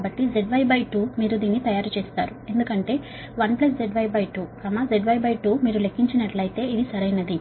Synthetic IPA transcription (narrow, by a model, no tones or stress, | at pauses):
bɐʈːid͡ʒe̞ɖbɐjbɐjʈuːmiːɾud̪iːnːit̪ɐjaːɾut͡ʃeːst̪aːɾue̞nd̪ukɐɳʈe̞ː | ʋɐnplɐs̬d͡ʒe̞ɖbɐjbɐjʈuːkɐmad͡ʒeɖbʱɐjbɐjʈuːmiːɾule̞kʰːiɲt͡ʃinɐʈlɐjt̪e̞ːid̪isɐɾɐjnɐd̪i